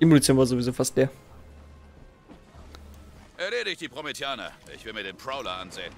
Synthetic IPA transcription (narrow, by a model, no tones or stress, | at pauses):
imolit͡sjoːnvaːɐzovizoːfastd̥eːɐ | ʔɛɐneːdɪɪçd̥iːpʁ̥ometʰjaːnɐ̰ʔɪ̰çv̥ɪlmiɐɾeːnpʁ̥aʊlɐʔa̰nzḛːən